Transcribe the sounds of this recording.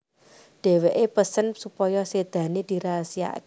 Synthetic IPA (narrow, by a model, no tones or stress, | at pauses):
ɖ̥e̤weʔepəsənsupɔjɔsed̪̥ä̤nid̪̥i̤ɾasia̰ʔk